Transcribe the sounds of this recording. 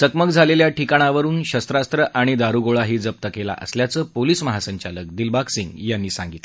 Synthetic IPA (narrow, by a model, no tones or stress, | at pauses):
səkməkd͡zʱaleljaʈikaɽ̃aʋəɾuːnɕəst̪ɾast̪ɾəʔaɽ̃id̪aɾuɡoɭaɦiːd͡zəp̚t̪əkela̰ʔə̰sljat͡səːpolisməɦasəɲt͡ɕalək̚d̪ilbaksiŋɡjanːiːsãŋɡit̪l